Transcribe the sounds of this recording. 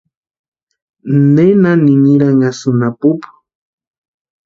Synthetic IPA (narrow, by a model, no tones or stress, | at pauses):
nenaniniɾaŋasunapupu̥